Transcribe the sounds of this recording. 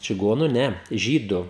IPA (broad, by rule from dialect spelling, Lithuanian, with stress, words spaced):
t͡ʃʲɪˈɡoːnʊ ˈnʲɛ ˈʒʲiːdʊ